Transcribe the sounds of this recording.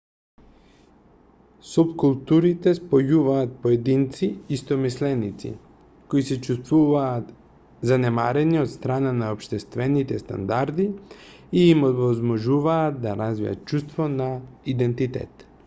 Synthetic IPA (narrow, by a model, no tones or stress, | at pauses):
supkulˠt̪uɾit̪ɛspojuvaːt̪̚poɛd̪int̪siːst̪ɔmislɛnit̪sḭ | koisɛt͡ʃust̪vuvaːt̪ | zanɛmaɾɛniot̪st̪ɾananaopʃt̪ɛst̪vɛnit̪ɛst̪a̰nd̪aɾd̪iiːmovɔzmɔʒuvaːt̪̚d̪aɾazvḭa̰t̪̚t͡ʃust̪vɔnaid̪ɛnt̪it̪ɛ̰t̪